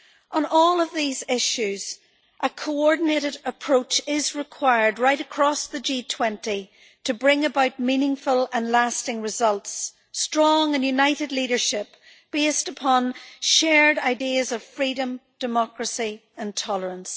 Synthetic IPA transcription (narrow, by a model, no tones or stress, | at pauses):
ʔə̃nɔlˠʌvðizɪʃʉz̥ | ʔəkʰoɔɹdⁿn̩eɾɪɾəpʰɹ̥oʊt͡ʃɪzɹɪkʰw̥aɪə˞d̚ɹaɪɾəkʰɹ̥ɔsðəd͡ʒitʰw̥ɛ̃nti | ɾʰəbɹɪ̃ŋəbaʊt̚mĩnɪ̃ŋfəlˠə̃nlastɪ̃ŋɹɪzʌlˠtsː | tɹ̥ɔ̃ŋə̃njʉnaɪɾɨdˡliɾə˞ʃɪp | b̥estəpʰɔ̃nʃɛɹdaɪdiəzʌv̥fɹiɾə̃md̥ɨmɔkɹəsiə̃ntʰɔlˠə˞ə̃ns